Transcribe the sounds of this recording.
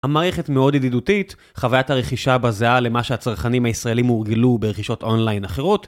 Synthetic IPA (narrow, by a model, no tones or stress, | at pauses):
hamaːʁeχe̞tmeo̞dididutit | χavajathaʁe̞χiʃabazeale̞maʃehat͡saʁχanimhaisʁae̞limuʁɡilubeʁeχiʃo̞tʔo̞nlajnaχeʁo̞t